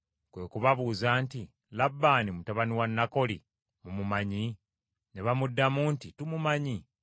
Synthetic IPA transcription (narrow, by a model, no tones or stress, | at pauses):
kwe̞̰ːkuβaβuːzaːnti | labːaːnimutaβaniwanːako̞lḭ | mumumaɲi | neβamudːamuːntitumumaɲi